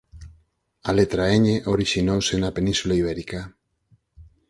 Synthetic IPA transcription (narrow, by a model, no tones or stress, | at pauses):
alet̪ɾaeɲeʔoɾiʃinowsenapenĩnsulaiβ̞ɛɾika